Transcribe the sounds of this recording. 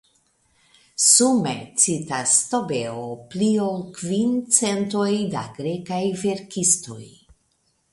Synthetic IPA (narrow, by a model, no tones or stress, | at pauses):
sume̞̰t͡sitasto̞be̞opliolkvint͡se̞nto̞jda̰ɡɾekajve̞ɾkisto̞̰j